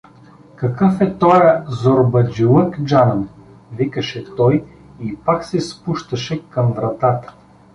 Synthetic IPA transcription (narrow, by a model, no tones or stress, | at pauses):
kɐkɤfɛt̪ɔjəzoɾbɐd͡ʒilˠəkd͡ʒann | vikəʃɛt̪ɔj | ipaksɛspuʃt̪əʃɛkɐmvɾɐt̪at̪ə̥